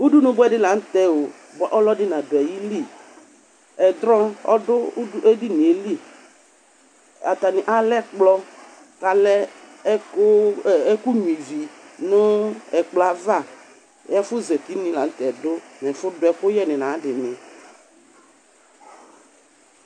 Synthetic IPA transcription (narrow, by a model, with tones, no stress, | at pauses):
u˦du˦nʊ̃˦bʊ˦ɛ˦dɪ˦la˨˦n̩˦t̪ɛ˦o˨ | bɔ˨ʔɔ˦lɔ˦dɪ˦nã˨dʊ˨ɛ˨ji˦li˦˨ | ɛ˨d̪ɾɔ̃˦ɔ̰˦dʊ˦ʔe˦di˦nĩ˨e˨li˦˨ | a̰˨t̪a˨nɪ̃˨ʔa˨˦lɛ˦k͡plɔ˦ | ka˨lɛ˦˨˦ | ku˦ɲu˨i˨vi˨nʊ˦ɛ˨k͡pla˦va˦˨ | jɛ˦fʊ˦zɛ˨ti˨˦nɪ̃˨la˨n̩˦t̪ɛ˨dʊ˦nɛ̃˨fʊ˦dʊ˨˦ɛ˨xʊ˦jɛ˦nɪ̃˨nã˨˦dɪ˨nɪ̃˨